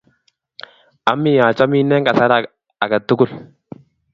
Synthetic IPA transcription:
a˨˦mːɪ˦˨ja˨t͡ʃa˦mi˦nːɛ˦ŋka˨sa˦ɾa˨ | a˨ɡa˨t̪ːʊ˦kʊ˦˨l

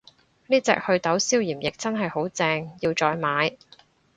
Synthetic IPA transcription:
niː˥t͡sɛ̰ː˨k̚hɵ˧ɥt̪ɐ˨˥wsiː˥wjiː˨˩mjɪ˨k̚t͡sɐ˥nɦɐ˨jho˨˥wt͡sɛː˧ŋji˧wt͡sɔː˧jmaː˨˧j

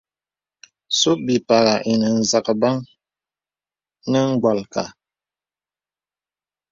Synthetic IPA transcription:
so˦bi˨pa˨ɣa˨ʔi˨nə˨n̩˨za˨kə˨ba˦ŋ | nə˦ŋ̩˦ɡwa˨lka̰˨

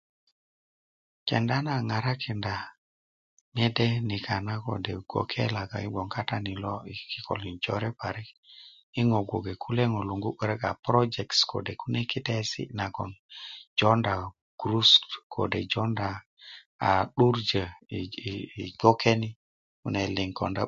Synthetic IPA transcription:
ke˨nda˦na˨ŋa˨ɾa˦kʰi˨nda˨ | ne˦de˦ni˨kʰa˨na˦ko̰˨de˨ɡ̥o̰˨kʰe˦la˨ɡa̰˨i˦ɓo˨ŋka˦ta˦ni˨lɔ˦i˨˦ki˦kʰɔ̰˨li˨nd͡ʒɔ˦ɾɛ˦pa˨ɾi˦k | i˦ŋo˨ɡʷo˨ɡe˨kʰu˦le˦ŋo˨lu˨ŋɡu˦ɓə˦ɾe˦ka̰˨pɾɔ˦d͡ʒɛ˨ktskʰo̰˨de˨ku˦ne˦ki˦tɛ˦sḭ˦na˨ɡɔ̰˨nd͡ʒɔ˦nda˨ | ɡ̥ɾu˦stkʰo̰˨de˨d͡ʒɔ˦nda˨ | a̰˨ɗu˦ɾd͡ʒə˨ | i˨ɡo˦kʰe˦ni˦ | ku˨ne˨li˨ŋkɔ̰˨nda˦

